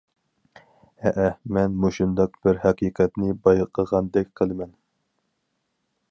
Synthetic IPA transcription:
hɛʔɛmɛnmuʃund̪ɑq̚b̥ɪɾhɛqʰiqʰɛt̪nɪbɑjqʰəʁɑnd̪ɛk̚ʲqʰəlˠɨmɛn

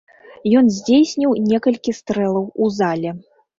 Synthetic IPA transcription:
jɔnzʲd͡zʲejsʲnʲiwnʲɛkɐlʲkʲist̪ɾɛlˠɐwuzalʲɛ

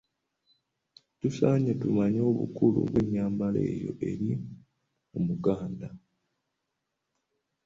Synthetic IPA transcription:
tusaːɲetumaɲo̞ːβṵkulṵβweɲaːmbale̞̰ːjo̞̰ʔe̞ɾi | umuɡaːnda

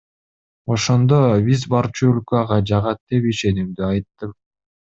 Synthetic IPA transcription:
o̞ʃo̞nd̪obizbɑɾt͡ʃuylʲkøɑʁɑd͡ʒɑʁɑt̪̚d̪e̞piʃe̞nimd̪yɑjt̪ːɯ

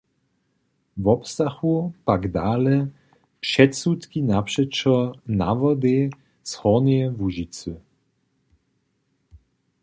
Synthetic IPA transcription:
vɔpstaxupaɡd̪aːlɛ | pʂɛtsut̪kinapʂɛt͡ʃɔna̰vɔd̪e | shɔʁnɛɛvuʒit͡sə

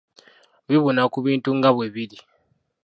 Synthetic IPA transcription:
βiβunakuβiːntuŋɡaβweβiɾi

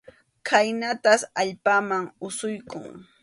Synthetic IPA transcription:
kʰajnat̪asaʎpamaŋʊsʊjkʊ̰ŋ

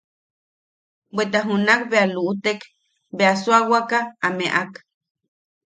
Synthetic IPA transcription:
bwet̪̬aɦunak̚bealuʔut̪ek | beasuawakaameʔak

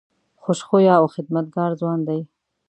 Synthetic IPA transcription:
xoʃxojɑoxɪd̪̚mat̪̚ɡɑːɾzwɑːnd̪aj

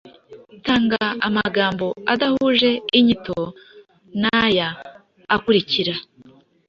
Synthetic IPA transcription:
taːŋɡaamaɡaːmbo̞adahuʒe̞iɲito | najaː | kuɾiciɾa

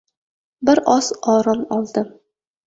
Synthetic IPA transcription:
bɪɾʔɒsɒːɾɒmɒlˠd̪ɪ

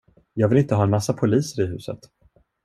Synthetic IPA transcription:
jɑːɡvɪlɪnt̪əɦɑːɛnmasːapʰʊliːsəɾɪɦʉ̟̰ːsə̰t̪

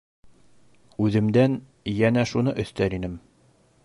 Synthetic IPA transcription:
ʉðɘ̆md̪æn | jænæʃunɤʔɵ̆θt̪æɾinɘm

